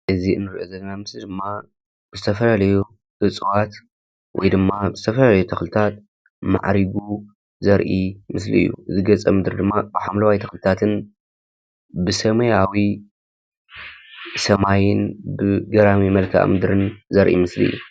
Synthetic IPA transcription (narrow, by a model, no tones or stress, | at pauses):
ʔɨziɨnːɨɾiʔozɐɡɐnamɨslid̪ɨmːa | b̥ɨzɨt̪ʰɐfɐlalɐju | ʔɨt͡sʼwat̪ | wʔɔ̰jd̪ɨmːabɨzɨt̪ʰɐfɐlalɐjut̪ʰɐxlɨt̪ʰat̪̚ | ma̰ʕɾiɡu | zɐɾʔimɨslḭɨ̰jːṵʔɨzɨɡɐt͡sʼɐmɨd̪ɨɾd̪ɨmːabɨħamlɐwajt̪ʰɐxlɨt̪ʰat̪ʰɨn | bɨsɐmɐjawi | sɐmajɪnbɨɡɐɾamimɐlkʰa̰ʔmɨd̪ɾɨnzɐɾʔḭmɨslḭɨ̰jːu